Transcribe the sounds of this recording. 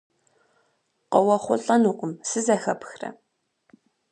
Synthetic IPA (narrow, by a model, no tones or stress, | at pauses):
qɔwɐχʷʊɬʼɐnuːqʷʊmsɨzɐxɐpxrɐ̰